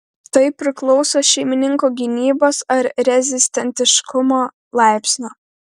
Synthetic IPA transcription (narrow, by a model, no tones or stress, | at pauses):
t̪ɐɪpʲɾʲɪklˠɒʊsoːʃʲɛɪmʲɪnʲɪŋkoːɡʲɪnʲiːboːsɐɾɾʲɛzʲɪsʲt̪ʲɛnʲt̪ʲɪʃkʊmoː | lˠɑˑɪpʲsʲnʲoː